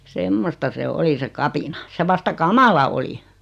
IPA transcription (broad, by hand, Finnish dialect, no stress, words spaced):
semːostɑ se oli se kɑpinɑ se ʋɑstɑ kɑmɑlɑ oli